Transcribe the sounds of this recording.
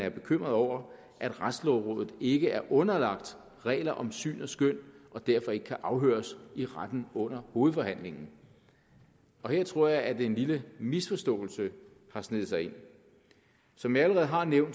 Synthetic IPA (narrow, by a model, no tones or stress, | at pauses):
æɐb̥e̝kʰøm̰ʁɐðˠɒʊ̰ɐ | ʔæd̥ʁad̥slɒʊʁɔ̽ːðˠð̩ˠe̝ɡ̥əæɐʔɔ̽nɐlɑ̈ɡ̥̚d̥ | ʁɛ̰ːlɐʔɒ̽msy̰ːnɒ̽sɡ̥øn̰ʔɒ̽d̥æɐfɒ̽e̝ɡ̥əkʰæʔɑ̈ʊɦø̰ːɐsiʁad̥n̩ɔ̽n̰ɐho̝ːð̩ˠfɒ̽hæn̰le̝ŋn̩ | ɒ̽heɐ̰t͡sʰʁo̝ɐ̰jɑ̈ɪæd̥eenliləmisfɒ̽sd̥ɔ̰̽ːl̩sə | hɑ̈sne̝ð̩ˠsɑ̈ɪe̝n̰ | sɒ̽mjiæləʁɛð̞̩ˠɦɑ̈neʊ̰n